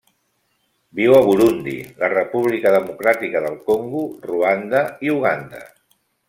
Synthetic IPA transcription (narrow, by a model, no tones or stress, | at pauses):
biwəβ̞uɾund̪ḭlərəpuβ̞likəðəmukɾat̪ikəðəlˠkoŋɡuruand̪əiuɣ̞and̪ə̰